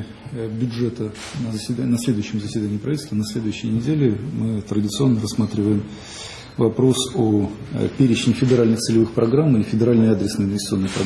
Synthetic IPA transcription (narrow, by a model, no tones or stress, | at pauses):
bʲʊʐɛt̪ə | nəzəɪnɐsʲlʲed̪ʊjʉɕːɪmzəsʲvʲɪd̪anʲɪjəpɾɐvʲitʲlʲst̪vənɐsʲlʲe̞d̪ʊjʉɕːɪjənʲɪdʲelʲɪmɨt̪ɾədʲɪt̪sɨo̞nːəɾɐsmat̪ɾʲɪvəjɪm | vɐpɾo̞so̰ | pʲeɾʲɪt͡ɕɪnʲɪfʲɪdʲɪɾalʲnɨxt̪sɨlʲɪvɨxpɾɐɡɾamɪfʲɪdʲɪɾalʲnəjad̪ɾʲɪsnəjɪnvʲɪsʲt̪so̞nːəjpɾɐ